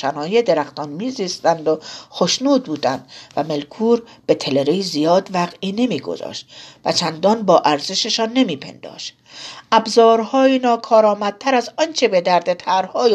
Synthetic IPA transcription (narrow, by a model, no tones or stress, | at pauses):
ʃænɒːjed̪e̞ɾæxt̪ɒːnmiːziːst̪ænd̪oxoʃnuːd̪̚buːd̪ænd̪væme̞lkʰuːɾb̥e̞t̪ʰe̞le̞ɾeizijɒːd̪væɣiːne̞miːɡo̞̰zɒ̰ːʃt̪̚væt͡ʃʰænd̪ɒːnbɒːʔæɾze̞ʃeʃɒnːe̞miːpʰe̞̰nd̪ɒ̰ːʃt̪ | ʔæbzɒːɾhɒːjinɒːkʰɒːɾɒːmæd̪̚t̪ʰæɾæzɒnt͡ʃʰebe̞d̪æɾd̪et̪ʰæɾhɒːj